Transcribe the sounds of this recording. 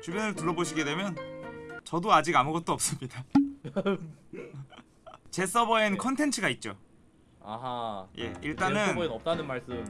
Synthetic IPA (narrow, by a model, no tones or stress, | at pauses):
t͡ɕubjʌnɯɭtɯɭːʌboɕʰiɡe̞dwe̞mjʌnt͡ɕʌdoad͡ʑiɡamuɡʌt̚t͈oʌp̚s͈ɯmɲida | t͡ɕe̞s͈ʌbʌenkʰʌntʰe̞nt͡ɕʰɯɡait̚t͡ɕ͈o̰ | a̰ɦaje̞̰iɭt͈anɯnenʌp̚t͈anɯnmaɭs͈ɯm